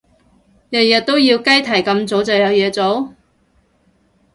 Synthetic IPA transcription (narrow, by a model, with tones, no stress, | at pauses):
jɐ˨t̚jɐ˨˩t̚t̪ːo˥wjiː˧wkɐ˥jt̪ʰɐ˨˩jkɐ˧mt͡so˨˥wt͡sɐ˨wjɐ˨˧wjɛː˨˧t͡so˨˥w